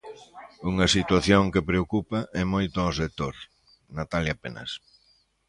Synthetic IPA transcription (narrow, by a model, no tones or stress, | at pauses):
uŋɐsit̪waθjoŋkepɾeokupɐʔɛmojt̪ʊɔsek̚t̪oɾ | nat̪aljapenɐ̰s